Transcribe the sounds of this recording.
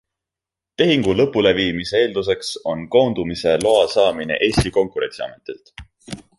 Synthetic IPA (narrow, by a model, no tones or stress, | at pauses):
t̪e̞ɦiŋɡ̥ulɤ̞pːˑule̞viːmise̞e̞ːld̪̥us̬e̞kso̞nko̞ːnd̪̥umise̞lo̞ɑsɑːmine̞̰ʔe̞ːst̪iko̞ŋkuɾe̞̰nt̪siɑ̰me̞t̪ˑelt̪